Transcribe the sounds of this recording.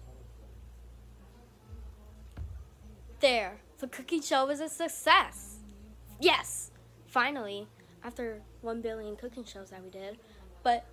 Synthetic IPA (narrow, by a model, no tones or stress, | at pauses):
ðə˞ | ðəkʰʊkɪ̃ŋʃoʊwʌzɨsɨksɛs | jɛs | fãɪ̃nl̩ˠi | ʔæftə˞ | wʌ̃nbɪlˠjɨ̃nkʰʊkɪ̃ŋʃoʊzðɨt̚widɪd̚ | b̥ʌt̚